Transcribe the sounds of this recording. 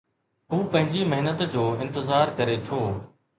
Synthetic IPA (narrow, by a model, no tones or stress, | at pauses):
ɦuːpɐ̃ɦɪ̃ɲd͡ʑimɐɦɪnət̪d͡ʑoːɪ̃nt̪ɪzaːɾkɐɾet̪ʰoː